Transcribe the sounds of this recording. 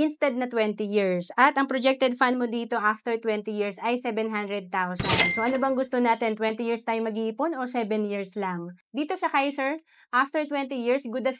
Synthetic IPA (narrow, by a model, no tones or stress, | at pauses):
ʔɪnst̪ɛd̪̚nɐt̪wɛnt̪ijiɹsʔɐt̪ʔɐŋpɾod͡ʒɛk̚t̪ɛd̪̚fanmod̪iːt̪o̞ʔaft̪ɛɹt̪wɛnt̪ijiɹsʔɐjsɛbɛnɦand̪ɾɛd̪̚t̪awsɐnd̪soʔɐnobɐŋɡʊst̪onaːt̪ɛnt̪wɛnt̪ɪjiɹst̪aːjomɐɡiiːponosɛbɛnjiɹslɐŋd̪iːt̪o̞sɐkajsɛɹ | ʔaft̪ɛɹt̪wɛnt̪ɪjiɹsɡud̪ɐs